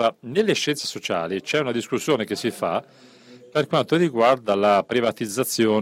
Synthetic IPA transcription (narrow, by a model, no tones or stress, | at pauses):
ɾanelːeʃːɛnt̪se̥sot͡ʃa̰ːlit͡ʃɛunad̪iskusːjoːnek̟esːifa̰ | perkwant̪oriɡward̪alapɾivat̪id̪zːat̪sːjɔː